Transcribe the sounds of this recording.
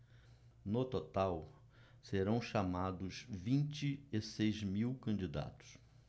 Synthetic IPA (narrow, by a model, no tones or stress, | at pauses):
not̪ot̪aw | seɾɐ̃w̃ʃamad̪ʊzvĩnt͡ʃɪesejzmiwkɐ̃nd͡ʒid̪a̰t̪ʊ̥s